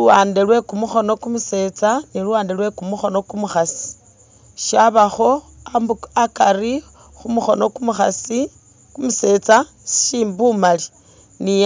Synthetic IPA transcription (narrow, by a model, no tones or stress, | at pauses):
uwaːndelwe̞kumuxo̞no̞kumuse̞t͡saniluwaːndelwe̞kumuxo̞no̞kumuxasi̥ | ʃaβaxo̞ | aakaɾi | xumuxo̞no̞kumuxasi | kumuse̞ːt͡sḁ | ʃiːmbumali | ni